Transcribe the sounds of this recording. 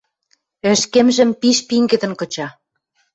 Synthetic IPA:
ɘ̆ʃkĕmʒɘ̆mpiʃpiŋɡɘ̆d̪ɘ̆nkɤ̆t͡ɕɑ

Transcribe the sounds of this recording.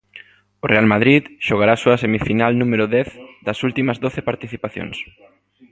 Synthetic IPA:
orealmaðɾiðʃoɣ̞aɾaːsoɐsemifinalnũmeɾʊðɛθd̪ɐsult̪imɐzðoθepaɾt̪iθipaθjo̰ŋs

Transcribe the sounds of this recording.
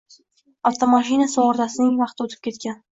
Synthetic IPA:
ɒt̪ʰamaʃinasɒwɒɾd̪asɪnɪŋvɑqt̪ɪot̪ʰɪ̥p̚kʲʰe̞t̪kʲan

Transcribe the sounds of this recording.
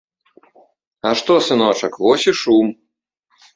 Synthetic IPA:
ɐʂt̪ɔsɨnɔt͡ʂɐkvɔsʲiʂum

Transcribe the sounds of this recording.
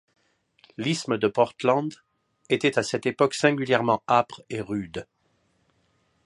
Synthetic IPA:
lisməd̪əpɔʁt̪lɑ̃d̪ | et̪ɛt̪asɛt̪epɔksɛ̃ɡʲyljɛʁmɑ̃apχeʁyd̪

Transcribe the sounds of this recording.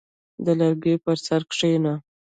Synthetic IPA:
d̪əlaɾɡepəɾsaɾkʂena

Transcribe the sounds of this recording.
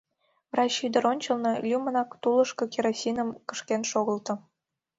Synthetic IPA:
vrɑt͡ɕyd̪ə̆ɾonʲt͡ɕəlnɤ̆lʲumə̆nɑkt̪ulə̆ʃkokʲeɾosʲinəmkə̥̆ʃkenʃoɣə̆lt̪ɤ̆

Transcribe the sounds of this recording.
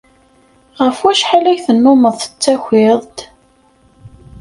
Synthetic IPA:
ʁəfwæʃħalæjθənːʊməðˤθə̥t͡sːæçʷɪðˤt̪

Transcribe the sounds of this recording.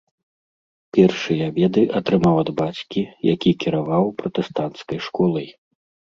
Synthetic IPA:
pʲɛrʂɨjɐabʲɛd̪ɨʔɐt̪ɾɨmawɐd̪bat͡sʲkʲijakʲikʲiɾavawpɾɐt̪ɛst̪ant̪skɐjʂkɔlˠɐj

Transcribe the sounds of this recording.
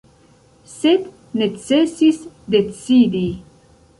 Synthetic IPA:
sed̪ | net͡sesisd̪et͡sid̪i

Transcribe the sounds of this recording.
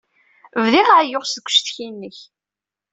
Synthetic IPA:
vðiʁaʕjoʁsðɡʷʊ̥ʃθçinːəç

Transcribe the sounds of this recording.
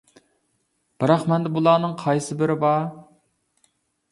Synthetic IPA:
b̥ɑɾɑχmɛnd̪ɛbulˠɑːnɨŋqʰɑjsɨbɪɾɪbɑ

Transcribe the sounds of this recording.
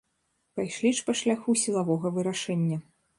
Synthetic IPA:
pajʂlʲiʂpɐʂlʲaxusʲilˠavɔɣɐvɨɾaʂɛnʲːɐ

